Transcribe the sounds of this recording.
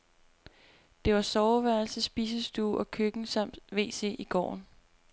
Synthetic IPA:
d̥e̝ʋɑ̈sɒʊʋæɐl̩səsːb̥ḭːsəsd̥uːʔɒ̽kʰøɡ̥n̩sɑm̰d̥ʋe̝̰ːse̝̰ːʔiɡ̥ɒ̰ːn

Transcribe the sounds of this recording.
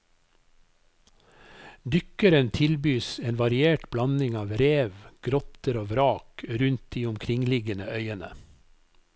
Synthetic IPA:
d̪ʏkəɾənt̪ʰɪlbyːseːnʋɑɾɪeːʈblɑnɪŋɑːʋɾeːʋɡ̥ɾɔt̪əɾoːʋɾɑːkɾʉnt̪̚d̪iːʊmkʰɾɪŋlɪɡənəœʏənə

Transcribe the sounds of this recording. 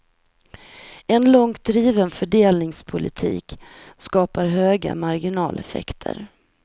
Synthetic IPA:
ɛnlɔŋt̪̚d̪ɾiːvənfœɖeːlnɪŋspʰʊlʔɪt̪ʰḭːkskɑːpaɾɦøːɡa̰maɾɡɪnɑːlʔɛ̰fɛ̰kt̪ʰə̰ɾ

